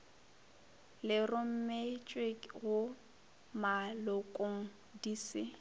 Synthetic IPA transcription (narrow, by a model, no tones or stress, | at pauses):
lɪrʊm̩met͡ʃʼwekɣʊ | malʊkʼoŋ̩ | diːsɪ